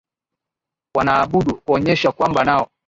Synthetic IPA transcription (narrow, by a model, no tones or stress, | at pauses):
wanaːɓuɗukuɔɲɛʃakwambanaɔ